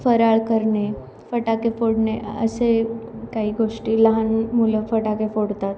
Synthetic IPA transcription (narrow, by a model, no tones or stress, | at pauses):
fəɾaɭkəɾɳe | fəʈakefoɽneə̰sekaɦiːɡoʂʈiːləɦanmuləfəʈakefoɽt̪at̪